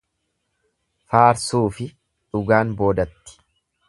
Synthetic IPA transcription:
faːɾsuːfɪ | ᶑʊɡaːnbo̞ːd̪ɐt̪ːɪ̥

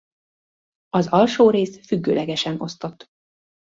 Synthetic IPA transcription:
ɒzɒlʃoːɾeːsfyɡːøːlɛɡɛʃɛno̞st̪o̞t̪ː

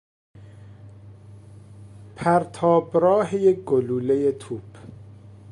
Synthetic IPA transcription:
pʰæɾt̪ʰɒːbɾɒːɦejeɡoluːlejet̪ʰuːb̥

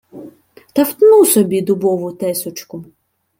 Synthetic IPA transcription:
t̪ɐft̪nusɔbʲid̪ʊbɔʋʊt̪ɛsʊt͡ʃkʊ

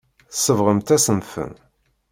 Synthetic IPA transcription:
θəsːəvʁəmt̪æsəmfə̰n

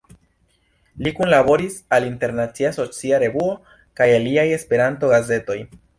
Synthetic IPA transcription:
likunlabo̞ɾisalinte̞ɾnat͡siaso̞t͡siaɾe̞vuo̞ | kajaliaje̞spe̞ɾanto̞ɡaze̞to̞j

